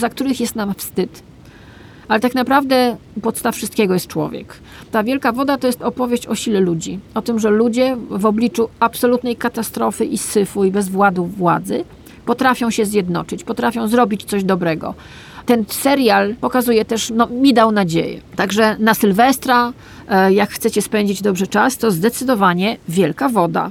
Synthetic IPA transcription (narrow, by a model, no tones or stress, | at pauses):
zak̚t̪uɾɘxjɛst̪namfst̪ɘt̪ | alɛt̪aknapɾavd̪ɛpɔt̪st̪affʂɨst̪kʲɛɡɔjɛst̪̚t͡ʂwɔ̰vʲjɛ̰k | t̪avʲjɛlkavɔd̪at̪ɔjɛst̪ɔpɔvʲjeɕt͡ɕɔɕilɛlud͡ʑiɔt̪ɘmʐɛlud͡ʑɛvɔblʲit͡ʂuapsɔlut̪nɛjkat̪ast̪ɾɔfɘʔisɘfujbɛzvwad̪uvwa̰d̪zɘ | pɔt̪ɾafʲjɔ̃w̃ɕɛzʲjɛd̪nɔ̰t͡ʂɘt͡ɕpɔt̪ɾafʲjɔ̃w̃zɾɔbʲit͡ɕt̪sɔʑd̪ɔbɾɛɡɔ̰ | t̪ɛnsɛɾjalpɔkazujɛt̪ɛʂnɔmʲid̪awnad͡ʑḛjɛ̰t̪aɡʐɛnasɘlvɛst̪ɾa | jakxt̪sɛt͡ɕɛspɛɲd͡ʑid͡ʑd̪ɔbʐɛt͡ʂast̪ɔzd̪ɛt̪sɘd̪ɔvaɲɛvʲjɛlkavɔd̪a̰